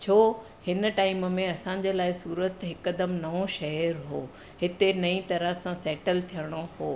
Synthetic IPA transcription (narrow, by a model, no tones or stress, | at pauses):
t͡ɕʰoː | hɪnʈaːɪmmẽɐsãɲ̆d͡ʑelaːɪsuːɾət̪ɦɪkːəd̪əmnɐʋoʃɐəɾɦoː | ɦɪt̪enɐĩt̪ɐɾəɦsãsɛːʈəlt̪ʰijəɽ̃oɦoː